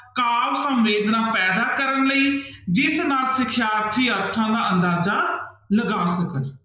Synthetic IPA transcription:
kaːʋsə̃mʋeːd̪nãːpɛːd̪aːkəɾənləiːd͡ʒɪsnaːlsɪkʰjaːɾt̪ʰiːəɾt̪ʰãːd̪aːənd̪aːzaː | ləɡaːsəkən

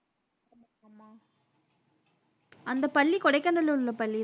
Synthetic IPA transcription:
ɐmɐɽamaː | ɐnd̪ɐpɐɭːikɔɽɐɪkːɐnɐlɯɯlːɐpɐɭːi

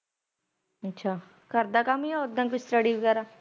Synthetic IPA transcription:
ətːʃʰaː | kəɾd̪aːkamiaʊd̪ːãːkʊsʈəɽiʋəɡɛːɾaː

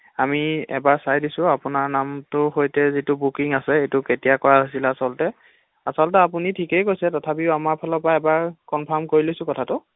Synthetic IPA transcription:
amiɛ̰baɹsajdisʊ̃apʊnaɹnamtʊɦojtɛzitʊbukiŋasɛejtʊketijakɔɹaɦosilɛasɔltɛ | asɔltɛapʊnitʰikejkojsɛtɔtʰapiʊamaɹpʰɔlɔpaɛbaɹkɔnpʰɔɹmkoɹilojsʊ̃kɔtʰatʊ

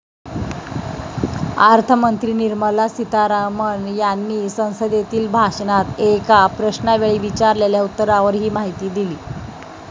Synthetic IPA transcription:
aɾt̪ʰəmənt̪ɾiːniɾməlasit̪aɾaməɳjanːiːsə̃w̃səd̪et̪iːlbʱaɕnat̪ekapɾəɕnaʋeɭiːʋit͡ɕaɾleljaut̪ːəɾaʋəɾɦiːmaɦit̪iːd̪iliː

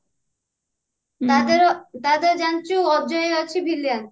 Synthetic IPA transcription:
d̪eɾt̪ad̪eɾd͡ʒant͡ʃuɔd͡ʒɔjeat͡ɕʰibʱilijan

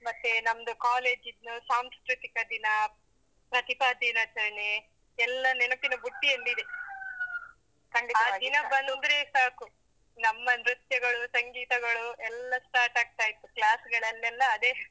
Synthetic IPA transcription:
mɐt̪ːenɐmɐd̪ukaːle̞ːd͡ʒid̪nusaːmskɾut̪ikɐd̪inɐ | pɾɐt̪ipaːd̪inɐt͡ʃɐɾɐɳe | ɛlːɐnɛnɐpinɐbuʈːielːid̪e | kɐɳɖit̪aːd̪inɐbɐnd̪ond̪ɾeːsaːku | nɐmːɐnɾut̪jɐɡɐɭusɐŋɡiːt̪ɐɡɐɭuɛlːɐsʈaːɾʈaːɡ̚t̪aːjit̪ːuklaːsɡɐɭɐlːɛlːɐːd̪e

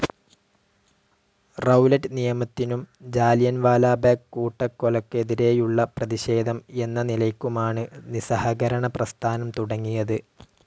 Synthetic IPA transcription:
rɐwlɐʈːɨnijɐmɐt̪ːinumd͡ʑaːljɐnʋaːlaːbaːkkːuːʈːɐkːolɐkːe̞ðiɾe̞ːjuɭːɐprɐðiɕe̞ːd̪ʱɐme̞nːɐnilɐjkʲːumaːɳɨnisɐhɐɣɐɾɐɳɐprɐst̪ʰaːnɐmt̪uɽɐŋːijɐðɨ

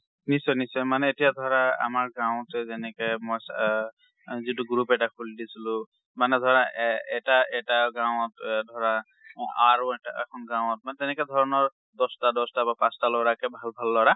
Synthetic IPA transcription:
nisɔjnisɔjmanɛetijadʱɔɹaa̰maɹɡaw̃tɛzɛnɛkɔjmɔjs | zituɡɹupɛtakʰuldisilʊ̃ | manɛdʱɔɹaʔɛtaɛtaɡawɔtdʱɔɹa | aɹuɛtaɛ̰kʰɔnɡãwɔt̚manɛtɛnɛkɛd̪ʱɔɹɔnɔɹ | dɔstadɔstabapastalɔɹakɛbʱalbʱalːɔɹa

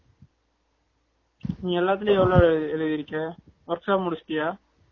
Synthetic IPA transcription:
nĩːɡɛlːaːt̪̬ːɪleɛʋɐɭoɛɻɯðɪɾɯkːɐʋɐɾksaːpmʊɽɪsʈɪjaː

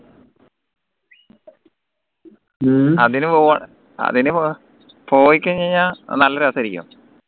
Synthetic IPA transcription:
ɐðinɨpoːɐ | ɐ̰ðinɨ | poːjikʲːɐt͡ɕeɲanɐlːɐɾaːsɐɾikʲːɐ̰m

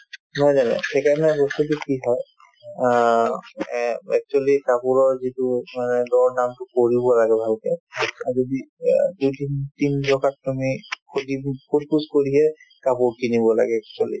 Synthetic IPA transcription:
nɔjzanɛ̰sʰɛkamɛpɔsutikiɦɔj | ɛ̰k̚t͡ʃualikapuɹɔɹzitʊmanɛdɔɹnamtʊkoɹibɔlaɡɛbʱalkɛazodidujtintintɔkat̚ːamikʰodikʰud̚kuskoɹiɦɛ | kapuɹkinibɔla̰ɡɛːk̚t͡ʃualḭ

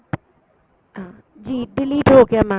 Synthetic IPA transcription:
ɦã | d͡ʑiːdɪliʈʰoːkjamã

